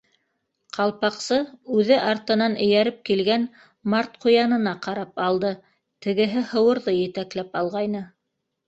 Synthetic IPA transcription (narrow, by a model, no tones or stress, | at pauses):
qʰɑlˠpɑqsɤʉðɘʔɑɾt̪ɤ̆nɑnɘ̆jæɾɘp̚kilɡæn | mɑɾt̪̚qŏjɑnɤ̆nɑqɑɾɑpɑlˠd̪ɤ | t̪ɘ̆ɡɘ̆ɦɘhɤ̆wɤ̆ɾðɤjɘ̆t̪æklæpɑlˠʁɑjnɤ